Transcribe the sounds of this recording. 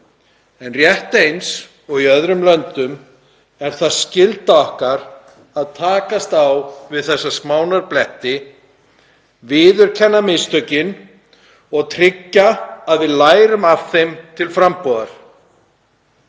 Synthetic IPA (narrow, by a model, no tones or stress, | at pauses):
ɛnrjɛht̪ejns | ɔɣiœðɾʏmlœnt̪ʏm | ɛɾ̥θaðscɪlt̪aɔhkaɾ | aðt̪ʰaːkast̪awvɪðθɛsːaskmaːwnaɾplɛht̪ɪ | vɪːðʏɾ̥cʰɛnːamɪst̪œcɪn | ɔɣt̪ʰɾɪcːaːðvɪðlaːjɾʏmav̥θejmt̪ʰɪlfɾampɔːðaɾ̥